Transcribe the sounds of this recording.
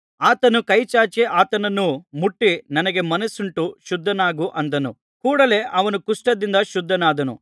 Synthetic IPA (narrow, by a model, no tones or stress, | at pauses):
aːt̪ɐnukɐjt͡ʃaːt͡ʃeʔaːt̪ɐnɐnːumuʈːinɐnɐɡe̞mɐnɐsuɳʈuʃud̪ʱːɐnaːɡuʔɐnd̪ɐnṵ | kuːɽɐle̞ːʔɐʋɐnukuʂʈɐd̪ind̪ɐʃud̪ʱːɐnaːd̪ɐnṵ